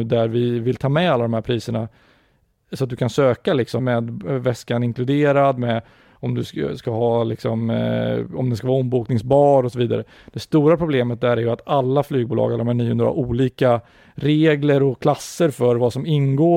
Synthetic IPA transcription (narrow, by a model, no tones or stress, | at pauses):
d̪æɾvɪvɪlt̪ʰɑːmɛalːad̪ɔmhæɾpʰɾiːsəɳa | sɔat̪̚d̪ɵkʰansøːkalɪksɔmɛːd̪vɛskanɪŋklɵd̪eːɾad̪mɛ | ɔmd̪ɵskaɦɑːlɪksɔm | ɔmd̪ɛskavɑːɔmbuːknɪŋsbɑːɾɔsɔviːd̪a̰ɾə | d̪̥ɛst̪uːɾapʰɾʊbleːmət̪̚d̪æɾæɾjɵat̪alːaflyːɡ̚buːlɑ̰ːɡalːɾɔmhæɳiːhɵnd̪ɾa̰ʔuːliːka | ɾeːɡləɾɔkʰlasːəɾfœɾvasɔmɪnɡoː